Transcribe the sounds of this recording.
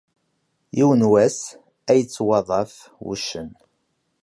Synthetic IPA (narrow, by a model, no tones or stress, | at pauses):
jiwənwæs | æjət͡sːwɑðˤɑf | wṵʃːən